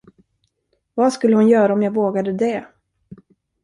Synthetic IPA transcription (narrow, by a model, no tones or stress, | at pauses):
vaskɵlːəhʊnjœːɾaɔmjaɡvoːɡad̪əd̪ɛ